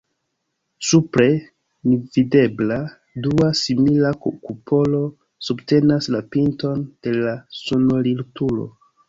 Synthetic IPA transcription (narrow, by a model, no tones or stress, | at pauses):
supɾe̞ | nivide̞bla | duasimilakokupʰo̞lo̞ | subte̞naslapinto̞nd̥e̞lasonoliltulo̞̰